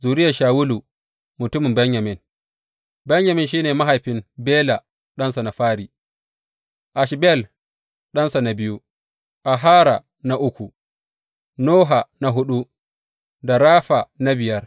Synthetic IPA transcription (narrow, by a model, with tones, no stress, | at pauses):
zuː˨ɾɪ˦ja˨ʃaː˨wʊ˦lu˨ | mʊ˨tʊ˦mɪ˨mbɐ˦ɲjɐ˨mɪ˦n | bɐ˦ɲjɐ˨mɪ˦nʃ̬iː˦neː˨ma˦ɦa˨jɸɪ˦mbeː˦la˨ | ɗɐ˦nsa˨na˨ɸaː˦ɾiː˨ | ʔa˨ʃbɛ˦˨l | ɗɐ˦nsa˨na˨bɪ˦ju˦ | ʔa˨ɦaː˦ɾa˨ | na˦ʔʊ˦kʷu˨ | noː˦ɦa˨na˨ɦʊ˦ɗu˦ | da˨ɾaː˦ɸa˨na˦bɪ˨jɐ˦r